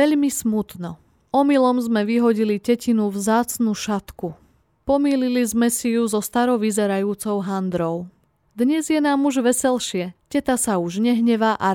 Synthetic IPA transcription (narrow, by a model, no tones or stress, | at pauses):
ɛʎmismut̪nɔ | ɔmilɔmzmɛʋiɦɔɟiliɟɛcinuʋzaːt͡snuʃat̪ku | pɔmiːlilizmɛsijuzɔst̪aɾɔʋizɛɾajuːt͡sɔʊɦand̪ɾɔʊ | d̪ɲɛzjɛnaːmuʒʋɛsɛlʃɪɛcɛt̪asauʒɲɛɦɲɛʋaʔa